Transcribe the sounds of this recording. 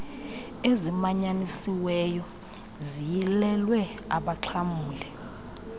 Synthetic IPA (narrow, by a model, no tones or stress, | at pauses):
ezimaɲanisiwɛjɔ | zijilɛlwɛaɓaǁʰamuːlɛ